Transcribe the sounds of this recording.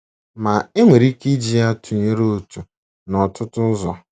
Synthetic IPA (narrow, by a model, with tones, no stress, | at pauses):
ma˨e˦ŋʷe˨ɾi˦ki˦d͡ʒi˨a˦tu˨ɲe˦ɾo˦˨tu˨ | nɔ˨tʊ˦tʊ˦n̩˦zɔ˨